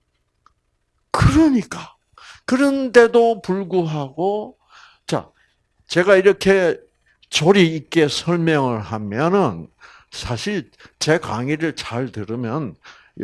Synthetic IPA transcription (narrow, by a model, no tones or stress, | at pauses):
kɯɾʌɲik͈a | kɯɾʌnde̞dopuɭɡuɦaɡo | t͡ɕa̰ | t͡ɕe̞ɡaiɾʌkʰe̞ | t͡ɕoɾiːk͈e̞sʰʌɭmjʌŋɯɭɦamjʌnɯn | sʰaɕʰiɭ | t͡ɕe̞ka̰ŋiɾɯɭt͡ɕaɭtɯɾɯmjʌn